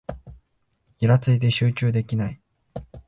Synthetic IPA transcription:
iɾat͡sɨid̪e̞ɕɨːt͡ɕɨːd̪e̞kʲinai

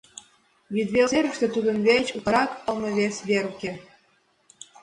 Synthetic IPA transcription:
jyd̪βʲeeɾʃt̪ĕt̪ud̪ə̆nβʲet͡ɕutɑɾɑkɤlˠmɤ̆βʲesβʲeɾukʲe

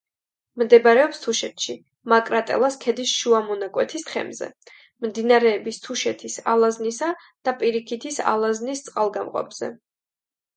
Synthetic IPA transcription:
md̪ɛbaɾɛɔpst̪ʰuʃɛt̪ʃi | makʼɾat̪ʼɛ̰lˠaskʰɛd̪isʃuamɔnakʼwɛt̪ʰist̪χʰɛ̰mzɛ̰ | mmd̪inaɾɛːbist̪ʰuʃɛt̪ʰisa̰lˠaznisa | d̪̥apʼiɾikʰit̪ʰisa̰lˠaznist̪sʼqʼalˠɡamqʼɔ̰pz̥ɛ̰

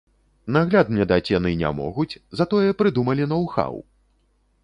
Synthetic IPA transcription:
naɣlʲad̪mnʲɛd̪at͡sʲanɨnʲa̰mɔ̰ɣut͡sʲzat̪ɔjɛpɾɨd̪umɐlʲinɔwxa̰w

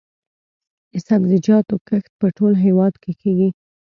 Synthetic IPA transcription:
ɪsabzɪd͡ʒɑt̪okəxt̪̚pəʈolɦewɑd̪kekeɡi

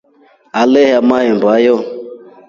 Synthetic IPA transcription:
alɛɦamaembajɔ

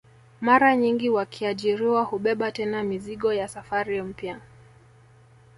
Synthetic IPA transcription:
maɾaɲiŋɡiwakʰiaʄiɾiwahuɓɛɓatɛnamiziɠɔjasafaɾim̩pja

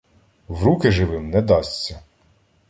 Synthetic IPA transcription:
wɾukɪʒɪʋɪmnɛd̪ɑsʲt͡sʲːɐ

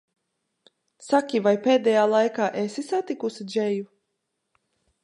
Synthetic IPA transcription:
sakʲivajpeːd̪ɛjaːlˠajkaːʔesisat̪ikusid͡ʒɛju

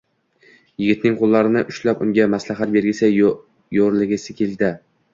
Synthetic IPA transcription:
jɪɡʲɪt̪nɪŋqʰolˠːaɾɪnɪʔʊʃlapʊŋɡʲamaslaɦat̪̚be̞ɾɡʲɪsɪ | joɾlɪɡʲɪsɪkʲʰe̞ld̪ɪ

